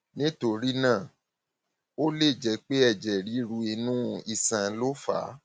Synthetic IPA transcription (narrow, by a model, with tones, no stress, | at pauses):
nĩ˦to˧ɾi˦nãː˦˨ | o˦le˦˨d͡ʒɛ˨˦k͡pe˦ɛ˦˨d͡ʒɛ˨ɾi˨˦ɾu˧i˧nũ˦i˧sã˧lo˦fa̰ː˨˦